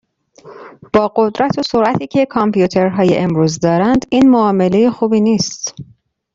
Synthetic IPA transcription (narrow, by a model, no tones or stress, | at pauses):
b̥ɒːɢod̪ɾæt̪ʰosoɾʔæt̪ʰiːcʰe̞kʰɒmpjuːt̪ʰeɾɦɒːjḛʔemɾuːzd̪ɒːɾænd̪iːnmoɒːme̞le̞jexuːbiːniːst̪